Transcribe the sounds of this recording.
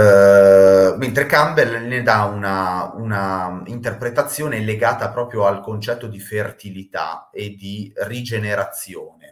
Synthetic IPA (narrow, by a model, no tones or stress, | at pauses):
ment̪ɾekambelned̪aunaunaint̪erpɾet̪at̪sːjoːneleɡaːt̪apɾɔːpɾjoalkont͡ʃɛt̪ːod̪ifert̪ilit̪a̰ed̪irid͡ʒeneɾat̪sːjoːne